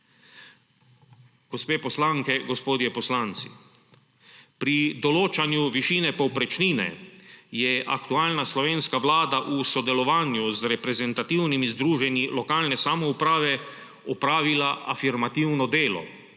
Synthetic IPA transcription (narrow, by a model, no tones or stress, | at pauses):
ɡ̥ɔspeːpɔslaŋkɛɡɔspoːd̪jɛpɔslant̪si̥̰ | pɾid̪ɔloːt͡ʃanjuʋiʃiːnɛpɔwpɾɛt͡ʃniːnɛ̰jɛʔa̰kt̪uaːlnaslɔʋeːnskaʋlaːd̪aʔusɔd̪ɛlɔʋaːnjuzɾɛpɾɛzɛnt̪at̪iwnimizd̪ɾuːʒɛnilɔkaːlnɛsamɔupɾaːʋɛ | ɔpɾaːʋilaʔafiɾmat̪iwnɔd̪eːlɔ̰